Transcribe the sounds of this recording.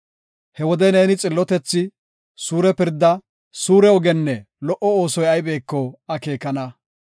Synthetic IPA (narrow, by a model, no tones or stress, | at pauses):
hɛwɔd̪ɛneːnɪt͡sʼɪlːɔt̪ɛt͡sːɪ | suːɾɛpɪɾd̪ːɐ | suːɾɛɔɡɛnːɛ | lɔʔɔoːsɔjɐjbe̞ːkːɔɐke̞ːkɐnɐ